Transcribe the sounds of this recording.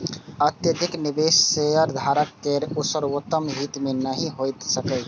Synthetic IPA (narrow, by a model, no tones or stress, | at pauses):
ət̪jəd̪ʱɪknɪbeːʃːeəɾd̪ʱaːɾəkːeɾʊsəɾwot̪ːəmɦiːt̪menəɦĩɦojt̪səkə